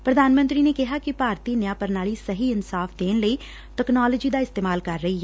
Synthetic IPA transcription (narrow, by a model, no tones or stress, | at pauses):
pɾəd̪aːnmə̃nt̪ɾiːneːkɪɦaːkɪpaːɾt̪iːnjaːpəɾnaːliːsəɦiːɪnsaːfʰd̪eːnləiː | ʈ̪əknaːləd͡ʒiːd̪aːɪst̪eːmaːlkəɾːəiːɦɛː